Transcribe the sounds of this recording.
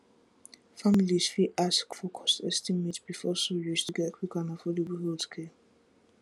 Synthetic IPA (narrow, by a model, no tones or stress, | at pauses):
familizfiʔaskfokʰɔ̥sestimetb̥ifɔsujud͡ʒtʰuɡɛkikanɔfolobuɦodkʰe